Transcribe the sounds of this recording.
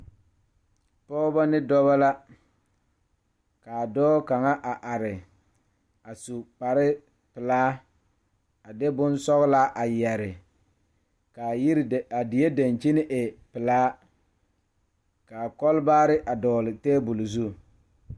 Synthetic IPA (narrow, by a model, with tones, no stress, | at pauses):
pɔ˦ba˦nɪ˦dɔ˦βa˦la˦ | kaː˨dɔː˦ka˨ŋa˦ʔa˨ʔa˨ɾɪ˨ | a˨su˨k͡pa˨ɾɪ˦ | pɪ˨laː˦ | a˨de˦bʊ˦nsɔ˦ɣla˦ʔa˨jɛ˨ɾɪ˨ | kaː˨ji˦ɾa˨dɪ˨je˦da˨nt͡ʃi˦nɪ˦ʔɪ˨pɪ˨laː˦ | ka˨kɔ˦lbaː˦ɾɪ˦ʔa˨dɔː˨lɪ˨teː˦bu˨lzu˦